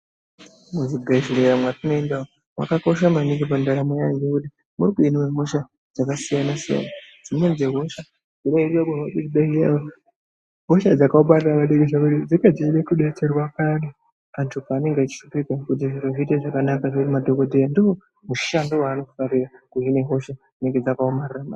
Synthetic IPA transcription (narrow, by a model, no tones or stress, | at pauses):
muziɡʱaʒiɺejamwatunoendao | ma̰kako̞ʃ̬amaniŋɡipandaɾamejaŋɡekuti | muɾikuinimemoʃa | d͡zakasijanasija̰nad͡zimenzeɦoʃa | d͡ziɗairiakuaɗikiɗaijao | ɦo̞ʃad͡zakaumariramaɗeɡeʐakuɾid͡zikad͡ziɗekuɗeterwakani | antʰupaːne̞ŋɡat͡ʃi̥ʃupikakut̬iʐiɾoʐiteʐakanakaʐeɾimadʱokodʱejandiwo | muʃandowaːno̞faɾirakuɦine̞ɦo̞ʃa | neŋɡed͡zakaomarirama